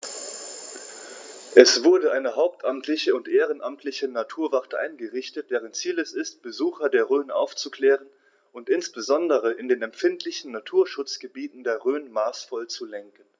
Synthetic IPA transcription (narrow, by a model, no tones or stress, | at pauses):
ʔɛsv̥ʊɐdəʔaɪnəɦaʊp̚tʰʔamtʰlɪçəʊntʔeːʁənʔamtʰlɪçənatʰuːɐvaʁtəʔa̰ɪnɡəʁɪçtət̚d̥ɛːʁ̞ənt͡siːlɛsɪst̚b̥əzuːxɐdeːɐʁøːnʔa̰ʊft͡sukl̥ɛːʁən | ʊntʔɪnsb̥əzɔndəʁ̞əʔɪndeːnɛmfɪntʰlɪçn̩natʰuːɐʃʊt͡sɡ̥əbiːtn̩deːɐʁøːnmaːsfɔlt͡sulɛŋkən̩